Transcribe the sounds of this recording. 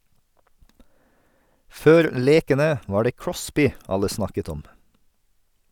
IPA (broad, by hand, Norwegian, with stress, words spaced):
ˈføːɾ ˈleːkənə ˈʋɑː ˈɖeː ˈkɹɔspɪ ˈɑlə ˈsnɑkət ˈɔm